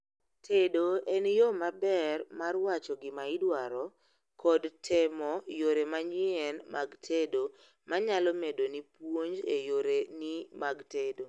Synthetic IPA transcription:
tʰedoenjomabɛrmarwat͡ʃɔɡɪmaɪdwaɾɔ | kʰɔdtʰemɔjoɾemaɲɪɛnmaɡtʰedo | maɲalɔmedonipwoɲd͡ʒejoɾenimaɡtedo

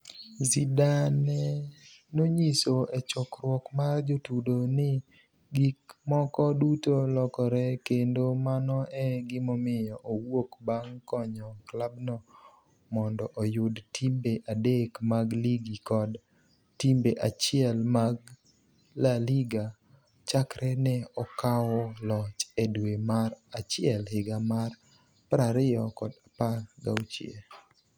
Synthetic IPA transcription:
zidanɛnoɲisoet͡ʃɔkɾwɔkmard͡ʒotudonɪ | ɡikmɔkɔdutolɔkɔɾɛkendomanɔʔɛɡɪmomɪjɔʔowokbaŋkɔɲɔklabnɔ | mɔndɔʔojʊdtʰimbeʔadekmaɡliɡikɔd | timbeʔat͡ʃɪɛlmaɡ | laliɡa | t͡ʃakɾʔɛnɛɔkawɔlɔt͡ʃɛdwemarat͡ʃɪɛlhɪɡamar | pɾaɾɪjɔkɔdapalɡa̰wt͡ʃjḛ

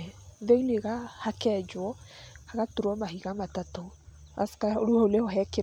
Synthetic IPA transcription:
ðeileɣahakɛd͡ʒwɔhaɣatuɾɔmaɦiɣamatatɔ | a̰skaoɾuɔoleɔɦɛke

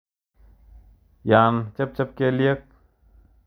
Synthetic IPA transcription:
jaːnt͡ʃɐp̚t͡ʃɐp̚keːlijɐk̚

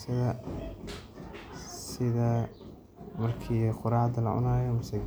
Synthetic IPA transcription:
sɐðɐ | sɪðɐ | mɐrkʰiːqʊɾɑːʕd̪ɐlɐʕʊ̰naːjɔmʊsɐ

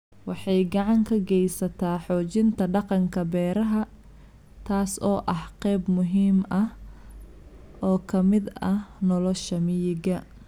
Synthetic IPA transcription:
wɑħɑjɡɑʕɑŋkʰɐɡɛjsɐt̪ʰaːħɔːt͡ʃɪnt̪ʰɐɖɑqɑŋkʰɐbɛːɾɐɦɐ | t̪ʰaːsɔːʔɐhqɛːbmʊɦiːmʔɐh | ʔɔːkʰɐmɪd̪ɐnɔlɔʃɐmɪjɪɡɐ

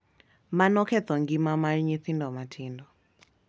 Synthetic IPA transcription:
manɔkɛtɔŋɡimamalɲiθindɔmatʰindɔ

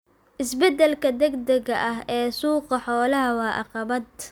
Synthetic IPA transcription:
ʔɪsbɛd̪ɛlkʰɐd̪ɐɡd̪ɐɣɐʔɐɦɛːsuːqɑħɔːlɐɦɐwɑːʔɑ̰qɑβɐd̪

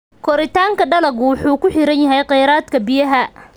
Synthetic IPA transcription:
kʰɔɾɪt̪ʰaːŋkʰɐɖɐlɐɣʊwʊħuːkʰʊħɪɾɐnjɐɦɛjqɛjɾaːd̪kʰɐbɪjɐɦɐ

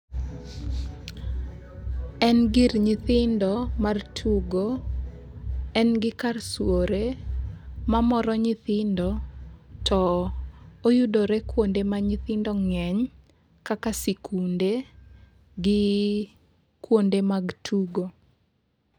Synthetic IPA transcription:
ɛnɡirɲɪt̪ɪndɔmartʰuɡo | ɛnɡɪkarswoɾe | mamɔɾɔɲiθɪndɔtɔ | ojudoɾekwondemaɲit̪ɪndɔŋɛɲ | kakasikʰunde | ɡɪ | kwondemaɡtʰuɡo

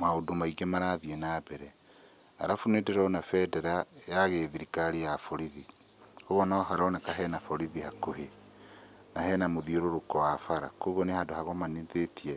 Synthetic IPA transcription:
maodomaiɡemaɾaðiɛnabɛɾɛ | a̰ɾafunedeɾɔnafɛdɛɾajaɣeðiɾikaɾejafɔɾiði | hoɣɔnaɔɦaɾɔnakaɦɛnafɔɾiðihakoɦe | naɦɛnamoðioɾoɾokɔwafaɾa̰koɣɔnehadohaɣɔmaneðetiɛ

